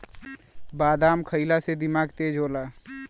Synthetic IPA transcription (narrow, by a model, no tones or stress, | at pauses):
baːd̪aːmkʰəɪlased̪ɪmaɡt̪ed͡ʒɦola